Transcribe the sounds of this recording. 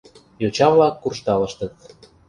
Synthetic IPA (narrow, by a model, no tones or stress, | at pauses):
jot͡ɕɑvlɑkːurʃt̪ɑlə̆ʃt̪ə̆t̪̚